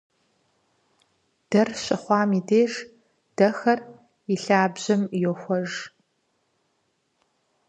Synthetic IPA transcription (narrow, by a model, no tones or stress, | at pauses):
d̥ɐrɕɐχʷɑːmideːʒ | d̥ɐxɐr | iɬaːbʑɐmjoxʷɔʒ